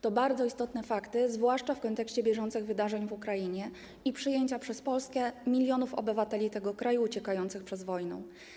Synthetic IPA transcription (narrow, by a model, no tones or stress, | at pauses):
t̪ɔbaɾd̪zɔist̪ɔt̪nɛfakt̪ɘzvwaʂt͡ʂafkɔnt̪ɛkɕt͡ɕɛbʲjɛʐɔnt̪sɘɣvɘd̪aʐɛɲvukɾaiɲɛ | ipʂɘjeɲt͡ɕapʂɛspɔlskɛmʲilʲjɔnufɔ̰bɘvat̪ɛlʲit̪ɛɡɔkɾajuːt͡ɕɛkajɔnt̪sɘxpʂɛzvɔjnɔ̰̃w̃